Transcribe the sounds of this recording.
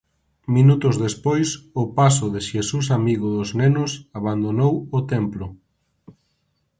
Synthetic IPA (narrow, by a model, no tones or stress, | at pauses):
minut̪ʊzðespojsʊpas̬ʊðɪʃesus̬amiɣʊðʊznenʊsaβand̪onowʊt̪emplʊ